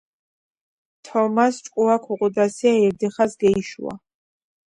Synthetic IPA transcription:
t̪ʰɔmast͡ʃʼkʼuakʰuʁʼud̪asiaɛɾd̪ɛχasɡɛiʃṵa̰

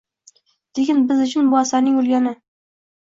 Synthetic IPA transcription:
d̪̥ekʲɪnbɪzʊt͡ʃʰɪnbʊasaɾnɪŋɵlɡʲanɪ

